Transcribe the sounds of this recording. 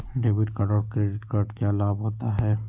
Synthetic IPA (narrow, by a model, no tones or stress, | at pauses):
ɖeːbɪʈkəɾɖɔːɾkɾeɖɪʈkəɾɖkelaːbɦoːt̪aɦɛː